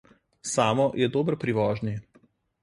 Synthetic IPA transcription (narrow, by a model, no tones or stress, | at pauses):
saːmɔjɛd̪oːbɾpɾiʋɔːʒni